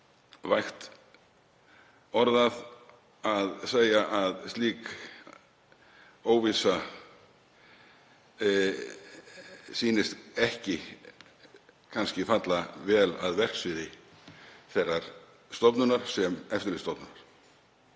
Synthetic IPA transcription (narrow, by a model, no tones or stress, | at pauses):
vajxt̪ | ɔɾðað | aðseːjaʔaðst̪liːk | oːwviːsa | siːnɪst̪ɛhcɪ | kʰanscɪfat̪lavɛːla̰ðvɛr̥ksvɪːðɪ | θɛrːaɾ̥ | st̪ɔpnʏnaɾ̥sɛmɛft̪ɪɾlɪst̪ɔpnʏnaɾ̥